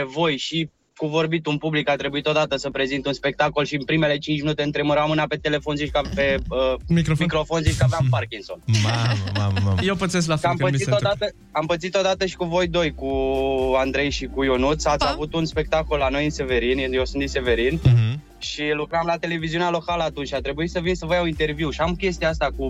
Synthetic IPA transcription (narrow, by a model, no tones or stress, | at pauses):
vo̞jʃi | kuvo̞rbit̪unpublikat̪ɾe̞buit̪od̪at̪əsəpɾe̞zint̪unspe̞k̚t̪ako̞lʃinpɾime̞le̞t͡ʃint͡ʃminut̪e̞ɨnt̪ɾeməɾamɨnape̞t̪e̞le̞fo̞nziʃkapeəmikmikɾo̞fonziʃkavamparkʲinso̞̰namaajewpət̪ses̬klafamət̪sit̪od̪at̪ə | ampət̪sit̪od̪at̪əʃi̥kuvo̞jd̪o̞jkuand̪ɾe̞jʃikujonut̪sat̪sʲavut̪unspe̞k̚t̪ako̞lːano̞jɨnse̞ve̞ɾinjewsɨninse̞ve̞ɾin | ʃilukɾamlat̪e̞le̞viziunealo̞kaləat̪unt͡ʃʲat̪ɾe̞buit̪səvinsəvəjawint̪e̞rviuʃiamkʲe̞s̬t̪iaast̪aku